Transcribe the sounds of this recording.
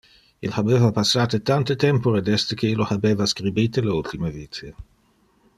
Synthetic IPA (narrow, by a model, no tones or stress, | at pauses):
ḭlabeːvapasːaːt̪et̪ant̪et̪ɛmpoɾed̪ɛst̪ekʰeilːohabeːvaskɾibiːt̪eleult̪imeviːt̪ʰe